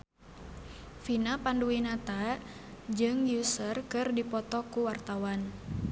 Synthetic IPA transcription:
finapanduinat̪a | d͡ʒɨŋjusərkɨrdipɔt̪ɔkuwart̪awan

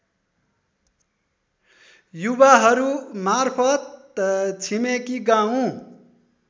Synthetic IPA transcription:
jubaɦʌɾumarpʰʌt̪̚ | t͡sʰimekiɡaũ

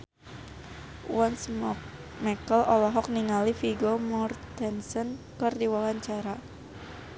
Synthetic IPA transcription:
wɔns | mɛkəlɔlɔɦɔk̚niŋalifiɡomɔrt̪ɛnsɔn | kərdiwawaɲt͡ʃaɾa

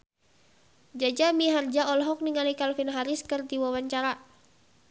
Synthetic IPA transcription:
d͡ʒad͡ʒamiɦard͡ʒaɔlɦɔk̚niŋalikalfinɦaɾiskɨrd̪iwawaɲt͡ʃaɾa

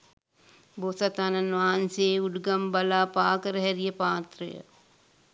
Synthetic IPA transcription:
bosɐt̪anɐnʋaːnseːuɖɡɐmbɐlaːpaːkɾɛɦɛɾijɐpaːt̪ɾɐ̰jə̰

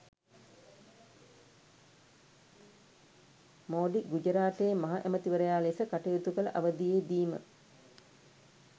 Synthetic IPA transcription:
moːɖiɡud͡ʒəɾaːʈ̪eːmɐɦaʔæmət̪iʋəɾəjaːlesəkaʈɐjut̪ukələʔaʋəd̪ijeːd̪iːmə̰

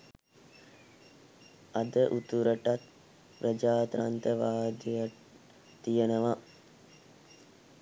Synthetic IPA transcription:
ad̪əʔut̪uɾəʈat̪ | pɾəd͡ʒaːt̪ɾant̪əʋaːd̪ija | t̪ijənəʋa

